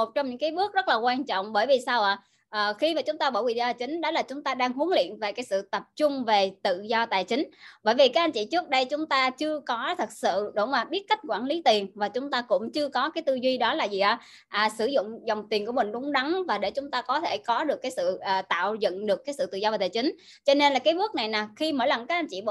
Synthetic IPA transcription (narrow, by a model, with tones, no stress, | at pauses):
o˨˩t̚t͡ɕɔ˧ŋ͡mɲɨ̰˧˥ŋkaː˨˦jɓɨ˦˥ək̚zə˦˥laː˨˩kwaː˧nt͡ɕɔ̰˧˨wŋ͡mɓəː˧˩jvi˨˩saː˧wʔaː˨˩ | ʔəː˨˩xi˧maː˨˩t͡ɕʊ˨˦ŋ͡mt̪aː˧ɓəː˧˩wḭ˧˨˩zɔ˧a˨˩t͡ɕï˨˦ŋ̟ɗɔ˨˦laː˨˩t͡ɕʊ˨˦ŋ͡mt̪aː˧ɗaː˧ŋɦu˨˦nlḭ˧˨ənve˨˩kaː˨˦jsɨ̰˧˨t̪ə˨˩p̚t͡ɕʊ˧ŋ͡mve˨˩t̪ɨ̰˧˨zɔ˧t̪a̰ː˧˨jt͡ɕï˨˦ŋ̟ɓəː˧˩jvi˨˩kaː˨˦˥ʔa˧jɲt͡ɕḭ˧˨t͡ɕɨ˦˥ək̚ɗə˧jt͡ɕʊ˨˦ŋ͡mt̪aː˧t͡ɕɨ˧əkɔ˨˦t̪ʰə˨˩t̚sɨ̰˧˨ɗo˧˩˦maː˨˩ɓi˦˥ət̚ka˦˥k̟̚kwaː˧˩nli˨˦t̪i˨˩ənvaː˨˩t͡ɕʊ˨˦ŋ͡mt̪aː˧kʊ̰˧˥ŋ͡mt͡ɕɨ˧əkɔ˨˦kaː˨˦jt̪ɨ˧zwi˧ɗɔ˨˦laː˨˩zi˨˩ʔaː˧˩ | ʔaː˨˩sɨ˧˩zʊ̰˧˨ŋ͡mzɔ˨˩wŋ͡mt̪i˨˩ənku˧˩əmï˨˩ŋ̟ɗʊ˨˦ŋ͡mɗa˨˦ŋvaː˨˩ɗe˧˩t͡ɕʊ˨˦ŋ͡mt̪aː˧kɔ˨˦t̪ʰe˧˩kɔ˨˦ɗɨ˨˩əkːaː˨˦jsɨ̰˧˨ʔəː˨˩t̪a̰ː˧˨wzə̰˧˨nɗɨ˨˩əkːaː˨˦jsɨ̰˧˨t̪ɨ̰˧˨zɔ˧vaː˨˩t̪ʰaː˨˩jt͡ɕï˨˦ŋ̟ | t͡ɕɔ˧ne˧nlaː˨˩kaː˨˦jɓu˦˥ək̚na˨˩jnaː˨˩xi˧məː˧˩jla˨˩ŋkaː˦˥k̚a˧nt͡ɕḭ˧˨ɓ